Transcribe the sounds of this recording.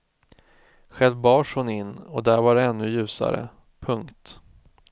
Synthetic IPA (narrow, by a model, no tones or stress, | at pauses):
ɧɛlvbɑːʂhʊnɪnːɔd̪æɾvaɖɛɛnːɵjʉ̟ːsa̰ɾə̰ | pʰɵŋkt̪